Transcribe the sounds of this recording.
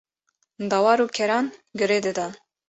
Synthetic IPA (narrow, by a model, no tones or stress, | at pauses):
d̪ɑwɑɾukʲʰɛɾɑnɡəɾed̪ɨd̪a